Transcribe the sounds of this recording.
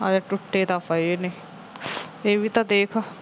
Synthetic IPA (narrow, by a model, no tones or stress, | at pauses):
ad͡ʒaʈʊʈːeːt̪aːfaiene | eːʋiːt̪ãːd̪eːkʰ